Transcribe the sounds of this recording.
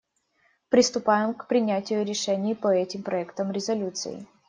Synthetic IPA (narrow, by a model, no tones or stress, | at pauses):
pɾʲɪst̪ʊpajɪmkpɾʲɪnʲætʲɪjʊɾʲɪʂɛnʲɪjːpəɛtʲɪmpɾɐɛkt̪əmɾʲɪzɐlʲut̪sɨ̰ɪ̰